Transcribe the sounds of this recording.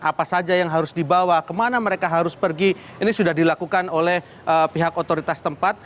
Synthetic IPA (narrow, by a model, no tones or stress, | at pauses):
ʔapasad͡ʒajaŋɦaɾʊsdibawakəmanaməɾekaɦaɾʊspərɡi | inisudahdilakukanolɛh | ʔəpiɦakot̪oɾit̪ast̪əmpat̪̚